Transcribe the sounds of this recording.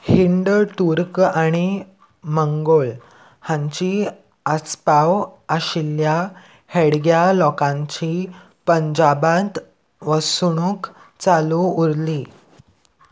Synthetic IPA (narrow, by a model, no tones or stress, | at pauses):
hiɳɖʈuɾkaɽ̃i | məŋɡoɭ | hãɲt͡ɕi | əspawəɕilja | heɽɡjalɔkãɲt͡ɕi | pəɲd͡ʑabat̪ | ʋəsɽ̃uk | t͡saluuɾli